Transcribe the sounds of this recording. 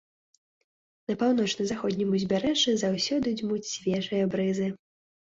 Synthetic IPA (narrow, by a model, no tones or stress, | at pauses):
nɐpawn̪ɔt͡ʂnɐzaxɔd̪ʲnʲimuzʲbʲaɾɛʐɨzawsʲɔd̪ɨd͡zʲmut͡sʲsʲvʲɛʐɨjɐbɾɨzɨ